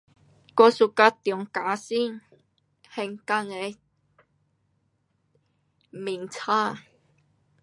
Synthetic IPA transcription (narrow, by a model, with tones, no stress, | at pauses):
kɔ˧su˨˩ka˧t̪jɔ˨˩ŋka˨˦si˥˨ŋ | hɛ˧˩ŋka˧ŋe˧ | mi˨˩ŋt͡sʰa˥˨